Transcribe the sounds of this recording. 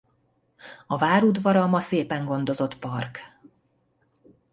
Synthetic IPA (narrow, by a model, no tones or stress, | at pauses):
ɒvaːɾud̪vɒɾɒmɒseːpɛŋɡo̞nd̪o̞zo̞t̪pɒrk